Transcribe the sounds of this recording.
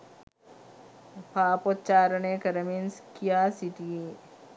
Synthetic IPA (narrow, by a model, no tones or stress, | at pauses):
pʰaːpot̪t͡ʃaːɾənekɐɾɐminskijaːsiʈi